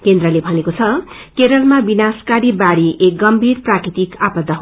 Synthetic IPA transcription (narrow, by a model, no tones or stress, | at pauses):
kend̪rʌlebʱʌnekot͡sʰʌ | keɾʌlmabinaskaɾibaɽiʔek̚ɡʌmbʱirprakɾit̪ikapʌd̪ʱːaɦ